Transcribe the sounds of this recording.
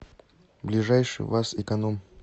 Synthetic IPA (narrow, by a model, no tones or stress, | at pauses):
blʲɪʐajʂɨ̰j̰vasɪkɐnom